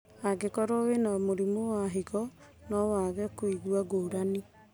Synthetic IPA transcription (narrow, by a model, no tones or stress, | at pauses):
aɡekɔɾowenamoɾimowaɦiɣɔ | nɔwaɣɛkoiɣwaɡoːɾani